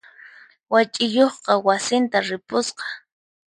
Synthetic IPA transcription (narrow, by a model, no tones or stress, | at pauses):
wat͡ʃʼɪjoχqɑwasɪnt̪aɾɪpʊsqɑ̥